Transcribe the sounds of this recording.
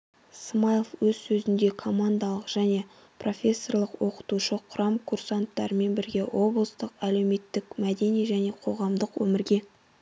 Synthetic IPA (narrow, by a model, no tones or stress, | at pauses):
smajəfwɵzsɵzɪnd̪e̞kʰo̞mand̪ɑlˠəqʒ̥æne̞ | pro̞fʲe̞sːo̞rlˠəqwoqə̥t̪uʃəqʰʊɾɑmkʰursant̪ːɑ̰ɾəme̞nbɪɾɡʲe̞wʔo̞blˠəst̪əqæle̞wme̞t̪ːɪkmæd̪e̞nijʒæne̞qʰo̞ʁɑmd̪əqwɵ̰mɪɾɡʲe̞